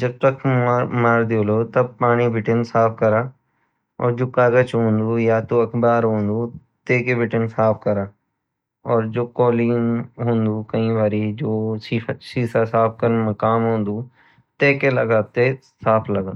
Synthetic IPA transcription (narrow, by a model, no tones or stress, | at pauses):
d͡ʒɐb̚t̪ɐkːmaːɾd̪ɪjoːloːt̪ɐpaːɽ̃ibʱɪʈɪnsaːpʰkɐɾaː | ɔ̰ːɾd͡ʒoːkaːɡət͡ʃɦõːnd̪ujaːt̪uɐkʰbaːɾɦõːnd̪u | t̪eːkebʱɪʈɪnsaːpʰkɐɾaː | ɔːɾd͡ʒoːkoːliːnɦʊ̃ːnd̪uːkɐĩːʋaːɾid͡ʒoːsisiːsasaːpʰkɐɾənmɐkaːmɦõːnd̪uː | t̪eːkelɐɡaːt̪e | saːpʰlɐɡə